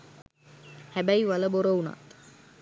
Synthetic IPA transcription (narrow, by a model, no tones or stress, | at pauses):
hæbæiʋaləboɾəuna̰t̪